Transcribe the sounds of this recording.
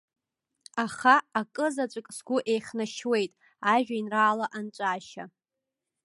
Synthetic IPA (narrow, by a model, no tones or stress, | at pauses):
aχaːkʼɨzat͡ʃʷʼakʼsɡʷʊʔe̞jχnaʃwe̞jtʼ | aʒᶣainraːlaʔant͡ʃʷʼaːʃa